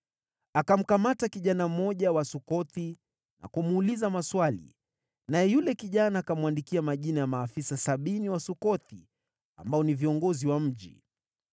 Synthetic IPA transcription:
akam̩kamatakiʄanamɔʄawasukɔθi | na̰kumːlizamaswalḭ | najɛjulɛkiʄanaːkamuwandikiamaʄinajamaːfisasaɓiniwasukɔti | a̰mbaɔniviɔŋɡɔziwam̩ʄḭ

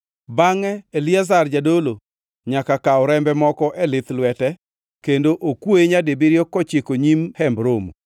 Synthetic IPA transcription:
baŋɛːliazard͡ʒadolo | ɲakakaɔɾɛmbɛmɔkɔʔɛlɪt̪lwɛtɛ | kendoʔokwoeɲadebiɾjɔkɔt͡ʃɪkoɲimhɛmbɾomṵ

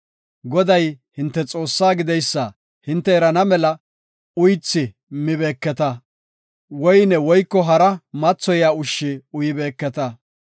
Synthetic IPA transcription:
ɡɔd̪ɐjhɪnt̪ːɛt͡sʼo̞ːsːaːɡɪd̪ɛjsːɐ | hɪnt̪ːɛɛɾɐnɐmɛlɐ | ʊjt͡sːɪ | mɪbe̞ːkːɛt̪ɐ | wɔjnɛwɔjkːɔɦɐɾɐmɐt͡sːɔjaːʊʃːɪʊjɪbe̞ːkːɛt̪ɐ

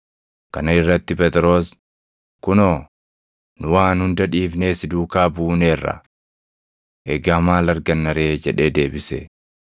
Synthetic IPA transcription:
kɐnɐɪrːɐt̪ːɪpɛt̪ɾo̞ːs | kʊnoː | nʊwaːnhʊnd̪ɐᶑiːfneːsɪd̪uːkaːbuːneːrːɐ̰ | ʔɛɡamaːlɐɾɡɐnːɐɾe̞ːd͡ʒɛᶑe̞ːd̪e̞ːbɪsḛ

